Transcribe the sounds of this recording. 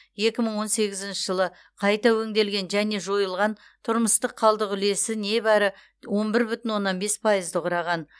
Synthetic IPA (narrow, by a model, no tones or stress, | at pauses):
je̞kʲɪməɴwo̞nse̞ɡʲɪzɪnʃɪʒəlˠə | qʰɑjt̪ɑwɵŋd̪e̞lɡʲe̞nʒæne̞ʒo̞jəlˠʁɑn | t̪ʰʊɾməst̪əqʰːɑlˠd̪əqʏle̞sɪne̞bæɾɪ | wo̞mbɪɾbʏt̪ɪnwo̞nːɑnbe̞spʰɑjəzd̪əʁʊɾɑʁɑn